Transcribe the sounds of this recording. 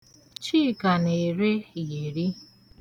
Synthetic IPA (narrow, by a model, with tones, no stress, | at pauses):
t͡ʃiː˦˨ka˨ne˨ɾe˦je˨ɾi˦